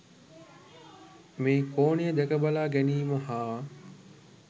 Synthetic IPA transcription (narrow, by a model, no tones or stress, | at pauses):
mẽːkoːnijəd̪ekəbəlaːɡɛniːməɦaː